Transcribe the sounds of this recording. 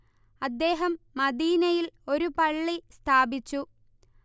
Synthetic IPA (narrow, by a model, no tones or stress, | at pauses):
ɐd̪ːe̞ːɦɐmːɐd̪iːnɐjilo̞ɾupɐɭːist̪ʰaːbit͡ɕːu